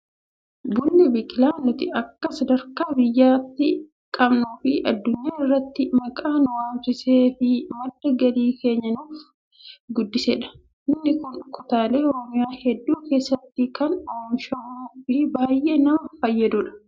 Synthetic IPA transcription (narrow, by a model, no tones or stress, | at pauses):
bʊlːɪbɪkɪlaːnʊt̪ɪɐkːɐsɐd̪ɐɾkaːbɪjːaːt̪ːɪ | kʼɐbnuːfɪʔɐd̪ːʊɲːaːɪrːɐt̪ːɪmɐkʼaːnʊwaːnt͡ʃɪseːfɪmɐd̪ːɐɡɐliːkʰe̞ːɲːɐnuːf | ɡʊd̪ːɪseːᶑɐ̥ | ʔɪnːɪkʊnkʊt̪aːle̞ːɔɾɔmɪjaːhɛd̪ːuːke̞ːsːɐt̪ːɪkɐnoːmʃɐʔuːfɪbaːjʔe̞ːnɐmɐfɐjːɐd̪ʊᶑɐ̥